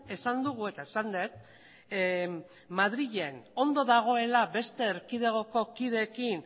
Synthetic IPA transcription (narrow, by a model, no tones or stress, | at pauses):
e̞sand̪uɣ̞ue̞t̪aesand̪et̪̚ | maðɾiʎe̞no̞nd̪o̞ðaɣ̞o̞e̞labe̞st̪e̞ːɾkið̞e̞ɣ̞o̞ko̞kiðe̞ːkin